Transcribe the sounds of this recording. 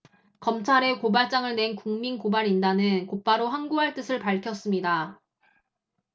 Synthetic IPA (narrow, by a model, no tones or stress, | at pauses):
kʌmt͡ɕʰaɾe̞kobaɭt͡ɕ͈aŋɯɭne̞nkuŋminkobaɾindanɯnkop͈aɾoɦaŋɡuɦaɭt͈ɯsʰɯɭpaɭkʰjʌs͈ɯmɲida